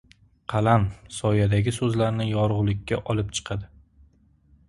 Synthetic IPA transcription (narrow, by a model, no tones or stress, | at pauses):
qʰɑlamsɒjad̪aɡʲɪsɵzlaɾnɪjɒɾʊʁlˠɪkʲːaʔɒlˠɪp̚t͡ʃʰɨ̥qʰɑd̪ɪ